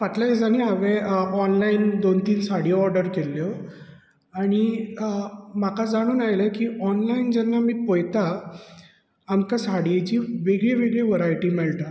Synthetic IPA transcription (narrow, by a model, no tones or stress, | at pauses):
ʋat̪laed͡zaniɦaʋeɔnlaind̪ont̪iːnsaɽjɔɾɖəɾkeljo | aɽ̃i | makad͡zaɽ̃uːnajləkiːɔnlaind͡ʑɛnːamiːpɔjt̪a | mkasaɽijet͡ɕiːʋeɡɭeʋeɡɭeʋəɾajʈiːmɛɭʈa